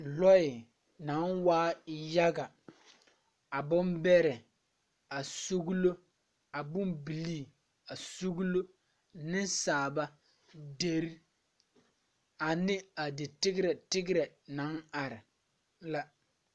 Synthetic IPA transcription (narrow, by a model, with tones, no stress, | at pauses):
lɔ˦ɪ˨ | na˨˦nwaː˦ja˦ɡa˨ | a˨bʊ˦mbɛ˦ɾɛ˨ | a˨so˦ɣlo˦ | a˨bʊ˦mbi˨liː˦˨ | a˨so˦ɣu˦lo˦ | nɪ˦nsaː˨ba˦ | de˨ɾ | a˨nɪ˦a˨dɪ˨tɪ˦ɡɪ˦ɾɛ˨tɪ˦ɡɪ˦ɾɛ˨na˨˦na˨ɾɪ˨ | la˦